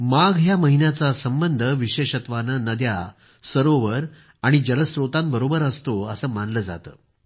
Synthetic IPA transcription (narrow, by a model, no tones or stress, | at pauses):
maɡɦjaməɦinjat͡sasəmbənd̪ʱəʋiɕeɕət̪ʋanənəd̪ja | səɾoʋəɾ | aɽ̃id͡ʑələsɾot̪ãmbəɾobəɾəst̪oəsəːmanləːd͡za̰t̪ə̰ː